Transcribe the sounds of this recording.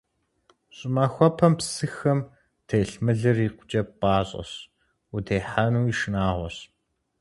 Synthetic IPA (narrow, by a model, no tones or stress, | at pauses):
ɕʼɪmaxʷɔpʰɐmpsɨxɐm | tʰeːɬmɨɮɨriːqʷʊt͡ʃʼɐp̚paːɕʼɐ̰ɕ | utʰeːħanuːiʃɪnaːʁʷɔɕ